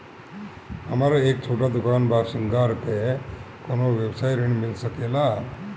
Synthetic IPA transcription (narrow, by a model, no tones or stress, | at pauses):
ɐmaɾɐeːk̚t͡ʃʰuːʈad̪ukaːnbʱaːsiŋɡaɾt̪e | konoʋebsaːjɾeɳimilsɐkela